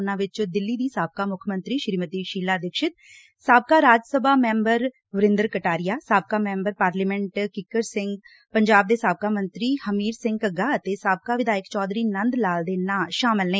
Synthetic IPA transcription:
nãːʋɪt͡ʃd̪ɪlːiːd̪iːsaːb̚kaːmʊkʰmənt̪ɾiːʃɾiːmət̪iːʃiːlaːd̪ɪkʃɪt̪̚ | saːb̚kaːɾaːd͡ʒsəbʱaːmɛ̃ːmbəɾ | ʋəɾɪ̃nd̪əɾkəʈaːɾɪjaːsaːb̚kaːmɛ̃ːmbəɾpaːɾliːmɛ̃ɳʈkɪkːəɾsɪ̃ŋɡ | pəɲd͡ʒaːb̚d̪eːsaːb̚kaːmənt̪ɾiːhəmiːɾsɪ̃ŋɡəɡaːət̪eːsaːb̚kaːʋɪd̪aːjɪkt͡ʃɔːd̪ɾiːnənd̪laːld̪eːnaːʃaːmɪlnẽː

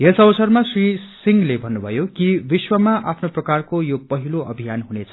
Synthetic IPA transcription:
ɦesʌbʌsʌrmasrisiŋɡlebʱʌnːubʱʌjokibiswʌmaʔapʰnoprʌkarkojopʌɦiloʌbʱijanɦunet͡sʰʌ̥

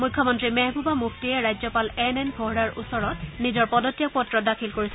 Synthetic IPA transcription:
mujkʰːɔmɔntɹimɛɦbʱubamukʰtijɛɹajzɔpalɛnɛnbʱɔɦɹaɹʔṵsɔɹɔtnizɔɹpɔdɔtːijak̚pɔtːɹɔdakʰilkoɹisɛ

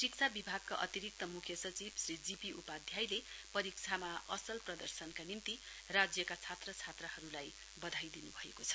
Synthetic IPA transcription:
rikt͡sʰabibʱaɡ̚kaʔʌ̰t̪iɾik̚t̪ʌmukʰjʌsʌt͡sibsrid͡zipiupad̪ʱjajlepʌɾik̚t͡sʰamaʔʌsʌlprʌd̪ʌrsʌnkanimt̪i | rad͡zjʌkat͡sʰat̪rʌt͡sʰat̪rʌhʌɾulaj | bʌd̪ʱajd̪inubʱʌḛkot͡sʰʌ̥

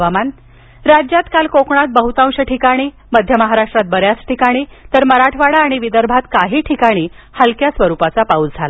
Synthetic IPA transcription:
ʋaman | ɾad͡ʑjat̪kalkokɳat̪̚bəɦut̪ãwɕəʈʰikaɽ̃i | məd̪ʱjəməɦaɾaʂʈɾat̪̚bəɾjasʈʰikaɽ̃it̪əɾməɾaʈʰʋaɽaːɽ̃iʋid̪əɾbʱat̪kaɦiːʈʰikaɽ̃iː | həlkjasʋəɾupat͡sapaut͡sd͡zʱala

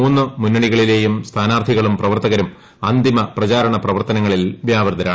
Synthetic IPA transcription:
uːnːɨmunːɐɳiɣɐɭile̞ːjumst̪ʰaːnaːrt̪ʰiɣɐɭumprɐʋɐrt̪ɐɣɐɾum | ɐnd̪imɐprɐt͡ɕaːɾɐɳɐprɐʋɐrt̪ɐnɐŋːɐɭilʋjaːʋɐrd̪ɐɾaːɳ

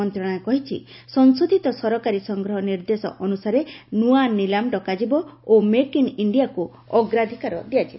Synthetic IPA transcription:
ɔnt̪ɾɔɽ̃ɔekɔɦit͡ʃʰḭsɔnsod̪ʱit̪ɔsɔɾɔkaɾisɔŋɡɾɔɦɔniɾd̪esɔ̰ʔɔnusaɾenuanilamɖɔkad͡ʒibɔomekiniɳɖijaku | ɔɡɾad̪ʱikaɾɔ̰d̪ijat͡ʃʰi

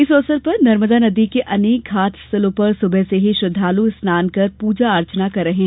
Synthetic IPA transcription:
ɪsɔːsəɾpɐɾnɐɾməd̪anɐd̪ikeʔɐneːkɡaːt̪ʰsɐlõːpɐɾsʊbʱəɦseɦiʃʊd̪ʱːaːlusnaːnkɐɾpuːd͡ʒaɐɾt͡ʃnakɐɾːɐɦẽ

